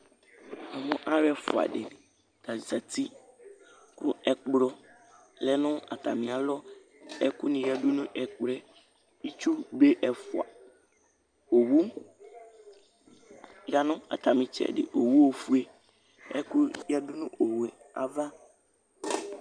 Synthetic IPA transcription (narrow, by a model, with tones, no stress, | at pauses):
ã˨mʊ̃˦ʔa˦ɾɛ˦fʊ̰˨a̰˨ɖɪ˨ | ta˨sa˨t̪ʰi˦ | ku˦ɛ˨k͡pɾɔ˦ | lɛ˦nʊ̃˦a̰˨t̪a˨mĩ˨a˨lɔ˦ | ɛ˦ku˦nĩ˨ja˦dʊ˦nʊ̃˦ʔɛ˨k͡pɾɛ˦ | i˦t͡ʃu˦be˦ʔɛ˨fʊ˨a̰˨ | o˨wu˦ | ja˨nʊ̃˦a̰˨t̪ʰa˨mĩ˨t͡ʃɛ̰˦˨dɪ̰˨ʔo˨wu˦wo˨fu˦e˦˨ | ɛ̰˦ku˦ja˦dʊ˦nʊ̃˦ʔo˨wɛ˨ | a̰˨va˦